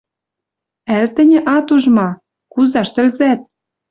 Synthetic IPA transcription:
ælt̪ɘ̆nʲɘ̆ʔɑt̪uʒmɑ | kuzɑʃt̪ɘ̆lzæt̪̚

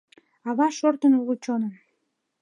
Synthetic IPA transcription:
ɑβɑʃort̪ənuɣut͡ɕonəm

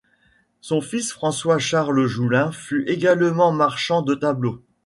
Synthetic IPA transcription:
sɔ̃fisfχɑ̃swaʃaʁləʒulɛ̃fyʔeɡalmɑ̃maʁʃɑ̃d̪ət̪ablo

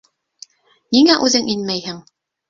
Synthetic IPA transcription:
niŋæʔʉðɘŋʔinmæjhɘŋ

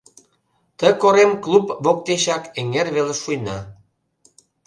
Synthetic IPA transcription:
t̪əkoɾemklupβok̚t̪eʃɑkeŋerβelĕʃujnɑ̰

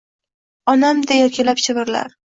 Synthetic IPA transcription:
ɒnamd̪ajɒkʲʰalapʃʰɪvɪɾla̰ɾ

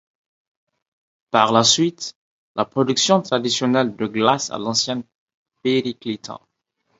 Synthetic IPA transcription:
paʁlasɥit̪ | lʔapχɔd̪yksjɔ̃t̪χad̪isjɔnɛld̪əɡlasa̰lɑ̃sjɛ̃ | peʁiklit̪ʰɑ̰̃

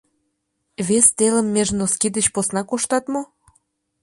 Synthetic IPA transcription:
βest̪elə̆mːeʒnoskid̪ə̆t͡ɕposnɑkoʃt̪ɑt̪mo

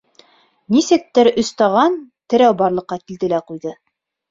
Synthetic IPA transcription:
nisɘ̆k̚t̪ɘɾɵ̆st̪ɑʁɑnt̪ɘ̆ɾæwbɑɾlˠɤ̆qːɑkild̪ɘ̆læqujðɤ

